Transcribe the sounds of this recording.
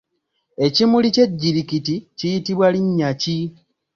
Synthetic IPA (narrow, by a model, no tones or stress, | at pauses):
e̞cimulice̞ɟːiɾikiticijitiβwaliɲːaci